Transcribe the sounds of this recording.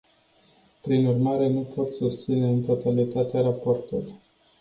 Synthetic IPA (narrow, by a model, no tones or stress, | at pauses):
pɾinurmaɾe̞nupʰo̞t̪sust̪sine̞ɨnt̪o̞t̪alit̪at̪eaɾaport̪ṵlu